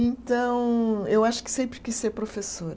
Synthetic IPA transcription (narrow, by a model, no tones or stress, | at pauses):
ẽnt̪ɐ̃w̃ewaʃʊ̥kɪ̥sẽmpɾɪkiseɾpɾofesoɾ